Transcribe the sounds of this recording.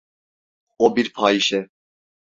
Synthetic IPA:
ɔbiɾpʰɑːiʃɛ

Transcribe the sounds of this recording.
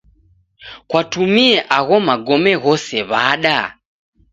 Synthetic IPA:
kwatumiɛʔaɣɔmaɡɔmɛɣɔsɛβaɗa

